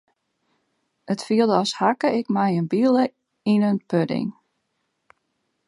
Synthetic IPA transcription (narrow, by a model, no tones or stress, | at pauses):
ətfiəlˠdəɔshakəɪkmɛjənbilˠə | inənpødɪ̰ŋ